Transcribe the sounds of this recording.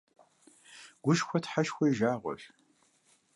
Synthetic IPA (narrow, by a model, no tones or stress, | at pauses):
ɡ̥ʷʊʃxʷɔtʰħaʃxʷɔjʒaːʁʷɔ̰ɕ